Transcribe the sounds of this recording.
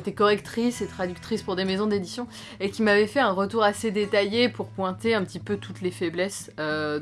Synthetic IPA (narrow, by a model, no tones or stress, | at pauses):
t̪ɛkɔʁɛkt̪χiset̪χad̪ykt̪χispuʁd̪emezɔ̃d̪ed̪isjɔ̃ | ekʲimavɛfɛɛ̃ʁət̪uʁased̪et̪ajepuʁpwɛ̃t̪eɛ̃pət̪ipøt̪ut̪lefɛblɛs | ø